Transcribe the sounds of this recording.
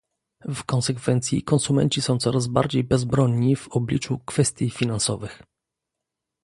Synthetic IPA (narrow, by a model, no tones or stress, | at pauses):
fkɔnsɛkfɛnt̪sʲjḭkɔnsumɛ̰nt͡ɕisɔ̃w̃t̪sɔɾazba̰ɾd͡ʑejbɛzbɾɔɲːivɔblʲit͡ʂukfɛst̪ʲjifʲinansɔ̰vɘx